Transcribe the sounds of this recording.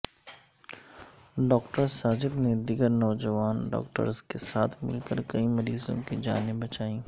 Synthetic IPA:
ɖɔːkʈəɾsaːd͡ʒɪkned̪ɪɡəɾnɔːd͡ʒəʋaːnɖɔ̰ːkʈə̰ɾzkesaːt̪ʰmɪ̰lkəɾkɐimɐɾiːzõ̰kid͡ʒa̰ːnɪbːɐt͡ʃaːĩː

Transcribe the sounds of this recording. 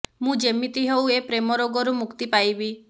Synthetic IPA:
mũd͡ʒemit̪iɦewepɾemɔɾoɡɔɾumukt̪ipajbi

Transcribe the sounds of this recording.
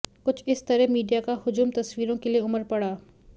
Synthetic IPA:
kʊt͡ʃʰɪst̪ɐɾɛmiːɖijakahʊd͡ʒuːmt̪ɐswiːɾõkelieʊməɾpɐɽaː

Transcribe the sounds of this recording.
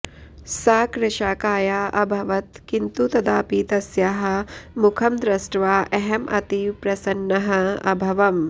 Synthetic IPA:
saːkɾɐʃaːkaːjaːʔɐbʱɐʋɐt̪kint̪ut̪ɐd̪aːpiːt̪ɐsjaːɦɐ̆mukʰɐmd̪ɾɐsʈʋaːʔeɦɐmʔɐ̰t̪ipɾɐsɐnːɐɦɐ̆ɐ̰bʱɐʋɐm

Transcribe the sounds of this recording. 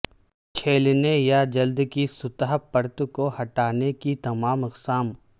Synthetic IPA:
t͡ʃʰeːlnejad͡ʒɐld̪kisʊt̪ɦpɐɾt̪kohɐʈaːnekit̪ɐmaːmɪqsaːm

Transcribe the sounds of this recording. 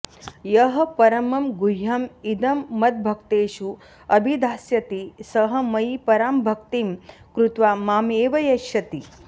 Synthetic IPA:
jɐɦɐ̆pɐɾɐmɐmɡujɐmid̪ɐmːɐd̪̚bʱɐkt̪eːʃu | ɐbʱid̪ʱaːsjɐt̪isɐɦɐ̆mɐjipɐɾaːmbʱɐkt̪iːm | kɾut̪ʋaːmaːmeːʋɐjɐʃɐt̪i

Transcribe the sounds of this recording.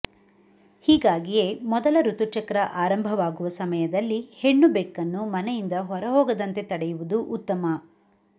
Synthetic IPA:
hiːɡaːɡije̞ːmɔd̪ɐlɐɾut̪ut͡ʃɐkɐɾɐʔaːɾɐmbʱɐʋaːɡuʋɐsɐmɐjɐd̪ɐlːihe̞ɳːubɛkːɐnːumɐnɛjind̪ɐɦɔɾɐɦɔːɡɐd̪ɐnt̪e̞t̪ɐɽɛjuʋud̪uʔːt̪ːɐmɐ

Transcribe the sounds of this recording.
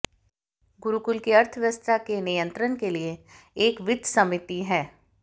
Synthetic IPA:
ɡʊɾukʊlkiɐɾt̪ʰəʋjəst̪akenijə̃nt̪ɾənkelie | eːkʋɪd̪sɐmɪt̪iɦɛː

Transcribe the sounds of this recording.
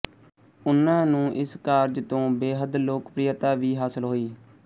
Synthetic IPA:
ʊnːãːnũːʔɪskaːɾd͡ʒt̪õːbeːɦəd̪loːkpɾɪjət̪aːʋiːɦaːsəlɦoːiː

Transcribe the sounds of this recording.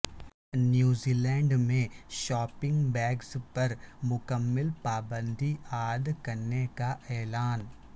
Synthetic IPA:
njuːziːlɛ̃ːɳɖmẽʃaːpɪ̃ŋɡbɛːɡspɐɾmʊkəmːɪlpaːbə̃nd̪ʱiaːd̪kɐɾnekaʔɛːlaːn

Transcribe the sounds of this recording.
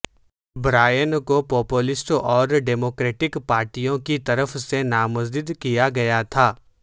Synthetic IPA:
bɾaːjənkopɔːpulɪsʈɔːɾɖɛːmoːkɾeːʈɪkpaːɾʈijõkit̪ɐɾəfsenaːmɐzd̪ɪd̪kijaɡɐjat̪ʰaː

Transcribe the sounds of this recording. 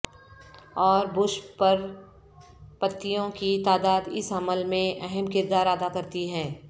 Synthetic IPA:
ɔːɾbʊʃpɐɾ | pɐt̪ːijõkit̪aːd̪aːd̪ɪsɦɐməlmẽʔɛɦɛmkɪɾd̪aːɾaːd̪akɐɾt̪iɦɛ̃ː

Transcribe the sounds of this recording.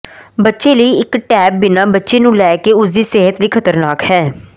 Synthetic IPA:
bətːʃeːləiːɪkʈɛːp̚bɪnãːbətːʃeːnũːlɛːkeːʊsd̪iːseːɦət̪liːkʰət̪əɾnaːkhɛː

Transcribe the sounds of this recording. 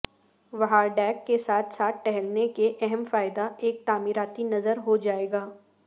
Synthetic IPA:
ʋɐɦaɖɛːkːesaːt̪ʰsaːt̪̚ʈɛɦɛlnekeʔɛɦɛmfaːɪd̪aeːk̚t̪aːmiːɾaːt̪inɐzəɾɦod͡ʒaːeːɡaː

